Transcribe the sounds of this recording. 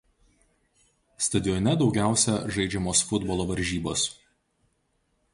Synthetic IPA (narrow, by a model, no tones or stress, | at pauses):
st̪ɐd̪ʲɪɔnʲɛd̪ɒʊɡʲæˑʊsʲɛʒɐɪd͡ʒʲɛmoːsfʊd̪bɔlˠoːʋɐɾʲʒʲiːbo̰ːs